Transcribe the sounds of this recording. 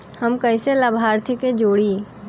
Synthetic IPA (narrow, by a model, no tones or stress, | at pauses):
hɐmkɐɪseləbʱaːɾt̪ʰiked͡ʒoːɽiː